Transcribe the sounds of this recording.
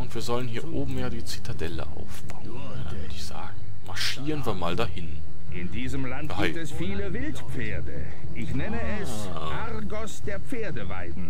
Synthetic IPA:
ʔʊntv̥iːɐzɔlənɦiːɐʔoːbm̩jaːdiːt͡sitʰadɛlə̰ʔa̰ʊfb̥aʊənn | dḁvʏdɪçz̥a̰ːɡŋ̩ | maɐʃiːʁənvaːɐmaːldaːhɪn | ʔɪndiːzəmlantɡaɪtɛsfiːləvɪltpp͡feːɐdə̰ | ʔɪçnɛnəɛs | ʔaʁɡɔsd̥eːɐp͡feːɐdəva̰ɪdn̩

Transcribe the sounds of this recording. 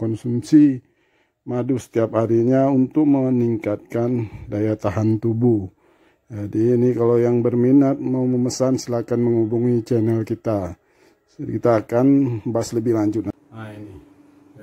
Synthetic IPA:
kɔnsumsi | madusə̥t̪iaphaɾiɲaunt̪ʊk̚məniŋkat̪̚kandajat̪aɦant̪ubu | d͡ʒadiːnikalawjaŋbərminat̪̚mauməməsansəlakanməŋubuŋit͡ʃɛnɛlkit̪a | kit̪aːkanbaasləbɪhlaɲd͡ʒʊt̪̚na

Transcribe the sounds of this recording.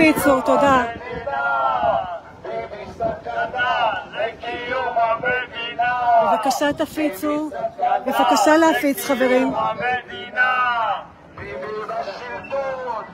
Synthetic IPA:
it͡suʁt̪od̪a | evakaʃat̪afit͡subevakaʃaleafit͡sχave̞ʁim

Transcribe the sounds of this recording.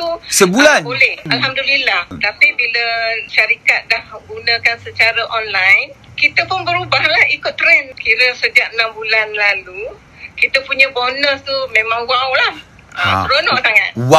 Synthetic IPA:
t̪usəbulanbolɛhalɦamdulilaht̪apibiləʃaɾikat̪̚dahməɡunə̃kansət͡ʃaɾəʔɔnlajnkit̪əpʊnbəɾubahlahikʊt̪ːɾɛnkiɾəsəd͡ʒaʔ̚ənambulanlalu | kit̪əpuɲəbonəst̪umẽmãŋwawlah | ət̪əɾonɔʔsaŋa̰t̪̚wa

